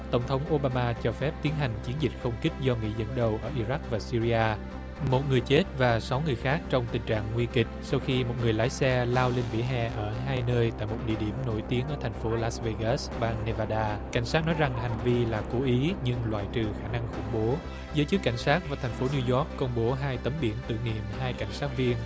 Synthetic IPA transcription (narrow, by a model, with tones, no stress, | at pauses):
t̪ə˧˩wŋ͡mt̪ʰə˨˦wŋ͡mʔo˧ɓaː˧maː˧t͡ɕɔ˧fɛ˦˥p̚t̪i˨˦ənɦa˨˩jŋ̟t͡ɕi˨˦ənzï˨˩t̟̚xə˧wŋ͡mki˦˥k̟̚zɔ˧ŋḭ˧˥zə̰˧˥˩nɗə˨˩wʔəː˧˩ʔi˧ɾa˦˥k̚vaː˨˩si˧ɾi˧aː˧ | mo˨˩t̚ŋɨ˨˩əjt͡ɕe˦˥t̚vaː˨˩sa˨˦wŋɨ˨˩əjxaː˦˥k̚t͡ɕɔ˧wŋ͡mt̪ï˨˩ŋ̟t͡ɕa̰ː˧˨ŋːwi˧ənkï˨˩k̟̚sa˧wxi˧mo˨˩t̚ŋɨ˨˩əjlaː˨˦jsɛ˧laː˧wle˧nɓḭ˧˥əɦɛ̰˧˨ʔəː˧˩ɦaː˧jnəː˧jt̪a̰ː˧˨jmo˨˩t̚ɗḭ˧˨əɗi˧˩əmno˧˩jt̪i˨˦əŋʔəː˧˩t̪ʰa˨˩ŋ̟fo˨˦laː˦˥sve˧ɣɛ˦˥sɓaː˧ŋne˧vaː˧ɗaː˧ka˧˩jŋ̟saː˦˥t̚nɔ˨˦jza˨˩ŋɦa˨˩jŋ̟vi˧laː˨˩ko˨˦ʔi˨˦ɲɨ˧ŋlwa̰ː˧˨jt͡ɕɨ˨˩xaː˧˩na˧ŋxʊ̰˧˩ŋ͡mɓo˨˦ | zəː˨˦jt͡ɕɨ˦˥kːa˧˩jŋ̟saː˦˥t̚vaː˨˩t̪ʰɛ˨˩ŋ̟fo˨˦ni˧zɔ˦˥k̚ːə˧wŋ͡mɓo˨˦ɦaː˧jt̪ə˨˦mɓi˧˩ənt̪ɨ̰˧˨nḭ˧˨əmɦaː˧jka˧˩jŋ̟saː˦˥t̚vi˧ən